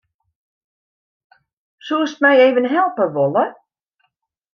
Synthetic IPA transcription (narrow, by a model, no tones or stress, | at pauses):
suəstmɛjeːvənɦɛlˠpəʋɔlˠə